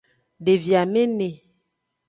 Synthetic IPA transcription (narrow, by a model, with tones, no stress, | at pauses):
ɖe˨vja˨me˦ne˨